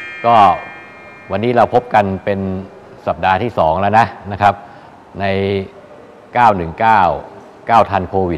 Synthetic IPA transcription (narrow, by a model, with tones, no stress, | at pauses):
kɔː˥˩ | wa˧nːiː˦˥ɾa˧wpʰo˦˥p̚ka˧npe˧n | sa˨˩p̚daː˧t̪ʰiː˥˩sɔː˩˦ŋlɛ˦˥wna˦˥ʔna˦˥kʰa˦˥p̚ | na˧j | kaː˥˩wnɯ˨˩ŋkaː˥˩w | kaː˥˩wt̪ʰa˧nkʰoː˧wi˨˩t̪̚